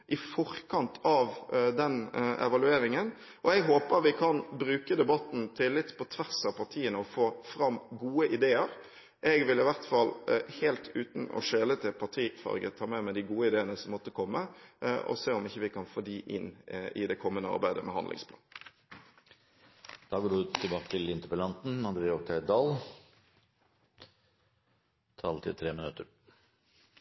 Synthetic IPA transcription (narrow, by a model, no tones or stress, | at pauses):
ʔɪfɔʁkɑnt̪ʰɑʋd̪ɛnɛ̰ʋɑlʉeːɾɪŋən | ʔɔɛɡɦoːpəɾʋɪkʰɑnbɾʉːkəd̪ɛbɑt̪n̩t̪ʰɪlːɪt̪ːpʰɔt̪ʰʋæʁsɑʋpʰɑʁt̪ʰiːənəɔfoːfɾɑmːɡuːəʔɪd̪eːəɾ | ʔɛɡʋɪlɪʋæʁt̪fɑlːhɛːlt̪ʰʉːt̪n̩ɔ̰ʂeːlət̪ʰɪlpʰɑʁt̪ʰiːfɑ̰ʁɡə̰t̪ʰɑːmɛmɛd̪ɪɡuːəɪd̪eːənəsɔmɔt̪ːəkʰɔmːəʔɔ̰seːɔmɪçːəʋɪkɑnfoːd̪iːʔɪnːɪ̰d̪ɛkʰɔmːənəɑ̰ɾbæɪd̪əmɛ̰hɑ̰nd̪lɪ̰ŋspʰlɑ̰ːn | d̪̥ɑːɡoːɖʉt̪ʰɪlbɑːkə̥t̪ʰɪlɪnt̪əɾpəlɑnt̪n̩ɑnd̪ɾɪoːk̚t̪ʰæɪd̪ɑːl | t̪ʰɑ̰ːlt̪ʰɪ̰t̪ʰɾeːmɪnʉt̪əɾ